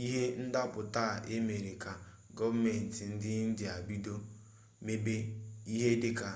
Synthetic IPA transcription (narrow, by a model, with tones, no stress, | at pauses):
i˦ɦe˦n̩˦da˦pʊ˨ta˦˨ʔe˦me˨ɾe˨ka˨ | ɡɔ˦va˦me˨n̩˨ti˨n̩˦dɪ˦n̩˦dɪ˨a˨bi˦do˦ | me˦be˦i˦ɦe˦dɪ˦ka˨